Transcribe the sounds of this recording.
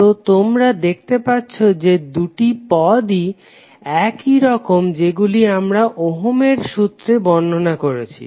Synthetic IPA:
ot̪omɾad̪ek̚ʰt̪epatːɕʰod͡ʑed̪uʈipɔd̪i | ɛkiɾɔkomd͡ʑeɡuliamɾaʔoɦomeɾʃut̪ːɾebɔnːʱonakoɾet͡ɕʰḭ

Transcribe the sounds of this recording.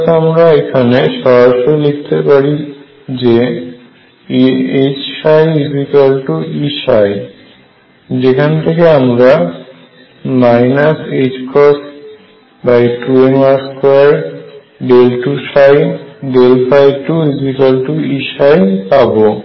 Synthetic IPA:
t̪amɾaekʰaneʃɔɾaʃoilek̚ʰt̪epaɾi | d͡ʑe | et͡ɕʃajizikalʈuiʃaj | d͡ʑekʰant̪ʰekeamɾa | majnased͡ʑkʰɔsʈ | bajʈuenmaɾskoaɾ | ɖelʈuʃajɖelpʰajʈuizikalʈuiʃajpabo

